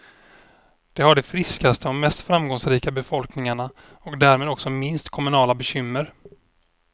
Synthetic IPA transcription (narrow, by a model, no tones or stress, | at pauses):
d̪̥ɛhaɖɛfɾɪskast̪ʰəɔmːɛst̪fɾamɡɔŋsɾiːkabɛfɔlknɪŋaɳa | ɔkd̪æːɾmeːd̪ɔksɔmɪnst̪kʰɔmɵnɑːlabɛɕʏmːəɾ